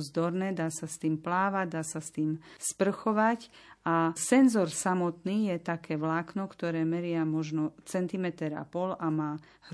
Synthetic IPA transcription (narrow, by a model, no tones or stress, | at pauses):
zd̪ɔɾnɛːd̪aːsast̪iːmplaːʋaɟd̪aːsast̪iːmspr̩xɔʋacʔasɛnzɔɾsamɔt̪niːjɛt̪akɛːʋlaːknɔkt̪ɔɾɛːmɛɾɪamɔʒnɔt͡sɛnt̪imɛt̪ɛɾa̰pɔlamaː | h